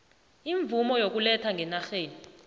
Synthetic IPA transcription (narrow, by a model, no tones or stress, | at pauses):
iɱvumɔjok̬ulɛtʰaŋɡʱɛnaxeːni